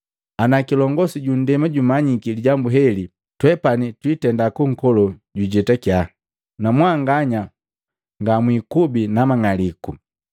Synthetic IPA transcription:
anakilɔŋɡɔsiɟundɛmaɟumaɲikiliɟambuɦɛli | twɛpanitwitɛndakuŋ̩kɔlɔɟuɟɛtakja | namwaŋɡaɲa | ŋɡamwikubinamaŋaliku

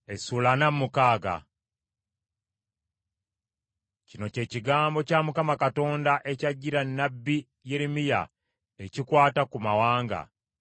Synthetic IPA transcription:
esulanamːukaːɡa̰ | cino̞ce̞ːciɡaːmbo̞camukamakato̞ːndaʔe̞caɟːiɾanːabːi | jeɾemija̰ | ecikwaːtakumawaːŋɡa̰

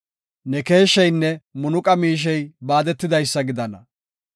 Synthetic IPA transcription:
nɛke̞ːʃːɛjnːɛmʊnʊkʼɐmiːʃ̬ɛjbaːd̪ɛt̪ːɪd̪ɐjsːɐɡɪd̪ɐnɐ

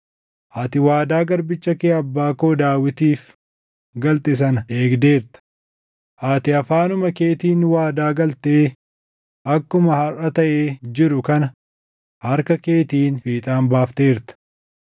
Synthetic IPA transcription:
ʔaːt̪ɪwaːd̪aːɡɐɾbɪt͡ʃːɐkeːɐbːaːkoːd̪aːwɪt̪iːf | ɡɐlt̪ɪs̬ɐne̞ːɡd̪e̞ːɾt̪ɐ̥ | ʔaːt̪ɪɐfaːnʊmɐke̞ːt̪iːnwaːd̪aːɡɐlt̪eː | ʔɐkːʊmɐhɐrʔɐt̪ɐʔeːd͡ʒɪɾʊkɐnɐ | hɐɾkɐke̞ːt̪iːnfiːt̪ʼaːnbaːft̪e̞ːɾt̪ɐ̥

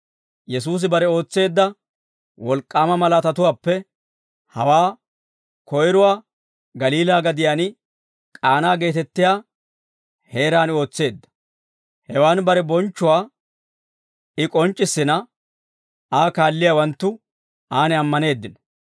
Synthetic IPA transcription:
jɛs̬uːs̬ɪbɐɾɛo̞ːt͡sːe̞ːd̪ːɐ | wɔlkʼːaːmɐmɐlaːt̪ɐt̪ʊwaːpːɛ | hɐwaː | kɔjɾʊwaː | ɡɐliːlaːɡɐd̪ɪjaːnɪ | kʼaːnaːɡe̞ːt̪ɛt̪ːɪjaː | he̞ːɾaːno̞ːt͡sːe̞ːd̪ːɐ̥ | hɛwaːnbɐɾɛbɔnt͡ʃːʊwaː | ɪkʼɔnt͡ʃʼːɪsːɪnɐ | aːkaːlːɪjawɐnt̪ːʊ | aːnɪɐmːɐne̞ːd̪ːɪn

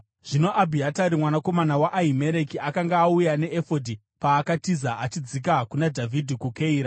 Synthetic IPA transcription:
ʐ̥ino̞ʔabʱiataɾimwanako̞manawaʔaɦime̞ɾe̞kiakaŋɡaːujane̞ʔefodʱi | paːkatizaʔat͡ʃid͡zik̬akunadʱavʱidʱikukeiːɾa

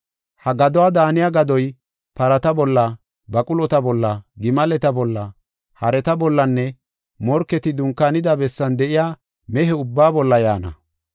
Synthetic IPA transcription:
hɐɡɐd̪ɔwaːd̪aːnɪjaɡɐd̪ɔj | pɐɾɐt̪ɐbɔlːɐ | bɐkʼʊlɔt̪ɐbɔlːɐɡɪmɐlɛt̪ɐbɔlːɐ | hɐɾɛt̪ɐbɔlːɐnːɛ | mɔɾkːɛt̪ɪd̪ʊŋkːanɪd̪ɐbɛsːɐnd̪ɛʔɪjaː | mɛɦɛʊbːaːbɔlːɐjaːnɐ̰

